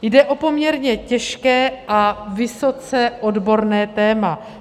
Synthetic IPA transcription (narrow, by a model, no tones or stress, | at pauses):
jdɛʔo̞po̞mɲɛɾɲɛcɛʃkɛːʔavɪso̞t͡sɛʔo̞dbo̞ɾnɛːt̪ɛːma